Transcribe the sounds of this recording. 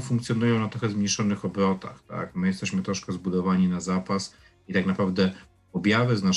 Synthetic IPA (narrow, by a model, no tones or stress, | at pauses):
fuŋkt̪sʲjɔnujɔ̃w̃nat̪ɾɔxɛzmɲiʂɔnɘxɔbɾɔt̪a̰xt̪a̰kmɘjɛst̪ɛɕmɘt̪ɾɔʂkɛzbud̪ɔvaɲinazapas | it̪aknapɾavd̪ɛ | ɔbʲjavɘzna